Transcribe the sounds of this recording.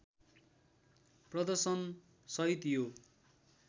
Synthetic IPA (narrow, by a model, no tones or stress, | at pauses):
prʌd̪ʌrsʌn | sʌɦit̪ijo